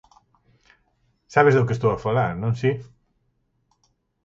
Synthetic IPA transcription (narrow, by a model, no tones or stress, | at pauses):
saβezðʊk̬est̪owafalaɾnõnsi